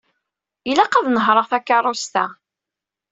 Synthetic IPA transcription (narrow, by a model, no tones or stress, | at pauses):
ilaqaðnəɦɾˤəʁθækːɑɾˤost̪æ